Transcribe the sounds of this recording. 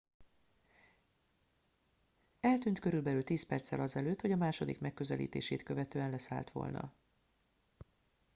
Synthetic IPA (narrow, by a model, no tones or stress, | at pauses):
ɛlt̪yːnt̪kø̞ɾylbɛlylt̪iːspɛrt̪sɛlɒzɛløːt̪ho̞ɟɒmaːʃo̞d̪ikmɛkːø̞zɛlḭːt̪ḛːʃeːt̪kø̞vɛt̪øːɛnlɛsa̰ːlt̪ʋo̞̰lnɒ̰